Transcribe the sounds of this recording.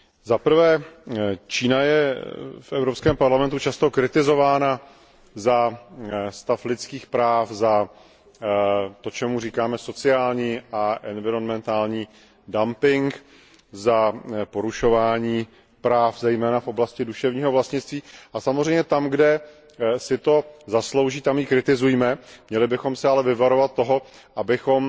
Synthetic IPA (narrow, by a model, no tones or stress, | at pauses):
zapɾ̩vɛː | t͡ʃiːnajɛfʔɛvɾo̞pskɛːmpaɾlamɛnt̪ut͡ʃast̪o̞kɾɪt̪ɪzo̞vaːna | za | st̪aflɪt̪t͡skiːxpɾaːfza | t̪o̞t͡ʃɛmuriːkaːmɛso̞t͡sɪaːlɲiːaʔɛnvɪɾo̞nmɛnt̪aːlɲiː | dampɪŋk | zapo̞ɾuʃo̞vaːɲiː | pɾaːfzɛjmɛːnafʔo̞blascɪduʃɛvɲiːɦo̞vlast̪ɲɪt͡st̪viːʔasamozɛjmɲɛt̪amɡdɛ | sɪt̪o̞zaslowʒiːt̪amjikɾɪt̪ɪzujmɛmɲɛlɪbɪxo̞msɛalɛvɪvaɾovat̪̚tːo̞ɦo̞ | ʔabɪxo̞m